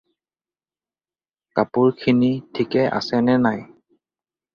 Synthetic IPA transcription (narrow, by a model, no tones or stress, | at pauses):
kapʊɹkʰinitʰikɛʔa̰sɛnɛnaj